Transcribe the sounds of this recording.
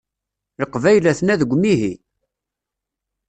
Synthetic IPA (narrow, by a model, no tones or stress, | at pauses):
ləqːvæjlæθnæðəɡʷːmiɦi